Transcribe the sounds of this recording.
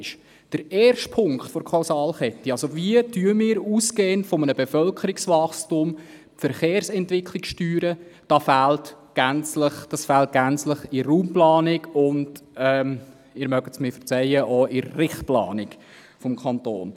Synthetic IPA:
ʃ | d̥əɾɛːrʃtpʰʊŋkχtfɔɾkʰaʊsɑːlχɛt̪ːiɑlsoviədyəmɪːɾuːskeːəntfɔmənəbefœlkʰəɾiksʋɑχstʊm | fəɾχeːɾsɛntʋɪkʰlɪksʃtyːɾəd̥ɑfælt | ɡ̥ænt͡sləχd̥ɑsfælt̚ɡ̥ænt͡sləχɪɾuːmplɑːnɪkʊndɛm | ɪɾmœɡətsmɪfəɾt͡sɛjəʔɔʔɪːɪχtplɑ̰ːnɪk | fɔmkʰɑnto̰ːn

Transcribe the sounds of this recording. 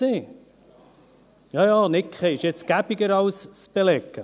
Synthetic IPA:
eː | jɑjɑːnɪkχeɪʃɛt͡sɡ̥æbɪɡəɾɑwsːb̥elɛkːə

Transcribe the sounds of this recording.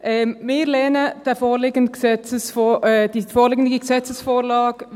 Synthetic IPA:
ʔɛːmmɪɾlɛːnəd̥ɛfoːlɪɡəndɡ̥sɛt͡səsfod̥ifoːleːɡndɡəɡəsɛt͡səsfoːlɑːɡ

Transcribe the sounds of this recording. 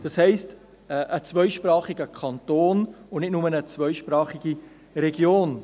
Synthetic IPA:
d̥ɑshɛɪst | ʔət͡svœʏʃpɾɑːχiɡəkʰɑntoːnʊnɪtnʊmənət͡svœʏʃpɾɑːχiɡ̥i | ɾɛɡjoːn

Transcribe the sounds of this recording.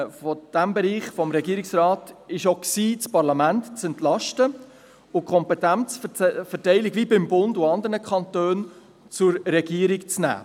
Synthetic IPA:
fɔd̥æmbɛɾiːχfɔmɾɛɡiːɾɪksrɑːtɪʃoksiːt͡spɑɾlɑmæntt͡sɛntlɑʃtə | ʊkʰɔmpɛtænt͡sfɛtɛɪlikvibɪmbʊndʊɑnd̪əɾnəkχɑntøːn | t͡sʊɾɾɛɡ̥iːəɾikt͡snæ̰ː

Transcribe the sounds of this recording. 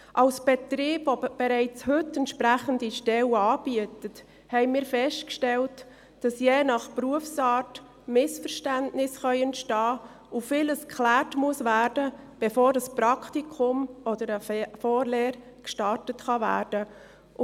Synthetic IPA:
ʔɑlsb̥ɛt̪ɾiːb̥vob̥ɛɾɛɪt͡shɵtːɛntʃpɾæχəndiʃtɛwɑːb̥iətət | hɛɪmiːɾfɛʃtkʃtɛlt | d̥ɑsjɛːnɑχpruəfsɑːɾt | mɪsfəɾʃtæntnɪsχœʏəntʃtɑː | ufɪləskʰχlæːrtmuəsvæːɾd̥ə | b̥ɛfoːɾdɑspɾɑktikʰʊmɔd̪əɾəfɔːɾleːɾ | kʃtɑɾtətχɑvæ̰ːɾd̥ə

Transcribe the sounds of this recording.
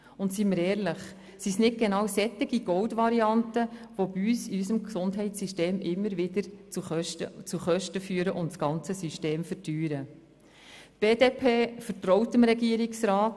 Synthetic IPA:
ʊntsiməɾɛːɾləχ | sisnɪt̚ɡ̥enɑːwsɛt̪ːɪɡiɡɔwdvɑɾiɑntəʋobiyːsiysəmksʊndɦɛɪtt͡sːyʃteːmɪmːəɾʋɪd̪əɾt͡suχʃət͡suχœʃtəfyːəɾəʔʊntsɡ̥ɑnt͡səsyʃteːmfərtyːɾə | b̥eːdeːpʰeːfəɾtɾɔwtəmɾɛɡiəɾɪksrɑːt

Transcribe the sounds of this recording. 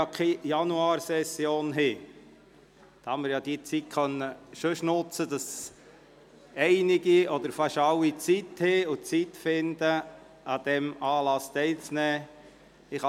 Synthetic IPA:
ɑkʰɛjɑnuɑːɾsɛsjoːnɦɪ | d̪̥ɑhɑmɪɾjɑːd̥̪it͡sit̚kʰχœnːəʃoʃnʊt͡səd̥̪ɑs | ɛɪnɪɡiɔd̪əɾfɑʃɑwːit͡sit̪heʊt͡sit̪fɪnd̪ə | ɑd̥̪ɛmɑːlɑst̪ɛɪlt͡snɛː | ɪχ

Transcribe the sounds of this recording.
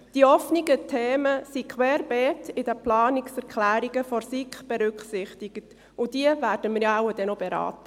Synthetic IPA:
d̥iɔfniɡətʰeːməsikʰwɛːɾb̥ɛːtɪdəplɑːniksɛɾkχlæːɾiɡəfɔɾsikχb̥ɛɾʏkχsɪχtiɡ̥ət | ʊd̥iəvæːrd̥əmɪɾjawəd̥ɛnob̥eɾɑ̰ːtə

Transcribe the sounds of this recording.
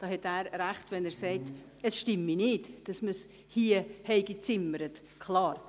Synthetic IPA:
d̥ɑːhɛtæːɾɾæχtvɛnæːɾsɛɪt | əsʃtɪmːinɪtd̥ɑsməs | hiːəhɛɪɡit͡sɪməɾət | kʰlɑːɾ

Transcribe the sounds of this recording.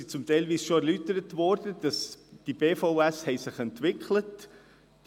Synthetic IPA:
it͡sʊmtɛɪlʋiːsʃoæɾlytəɾətvɔɾdəd̥ɑsd̥ib̥eːfɔʊɛshɛɪsɪχɛntvɪklət

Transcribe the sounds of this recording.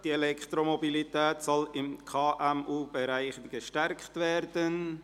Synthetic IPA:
d̥ielɛkχt̪ɾomobilit̪ɛːt̪sɔlɪmkʰɑːʔæmuːbeɾaɪχɡ̥əʃtæɾkχtʋæɾd̥ən

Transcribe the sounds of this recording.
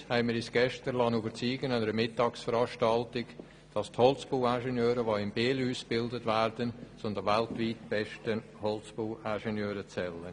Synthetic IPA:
hɛɪmɪɾɪsɡ̥ɛʃtəɾlɑnyːbəɾt͡siːɡənɑnəɾəmɪtːɑːksfəɾɑːʃtɑltɪɡ | d̥ɑsthɔlt͡sb̥uːæʃɛnjøːɾəʋoɪmbeːluːsb̥ɪldətvæːɾd̥ənt͡sʊndəvæltviːtb̥ɛʃtən | hɔlt͡sb̥uːʔæːʃɛnjøːɾət͡sɛlən

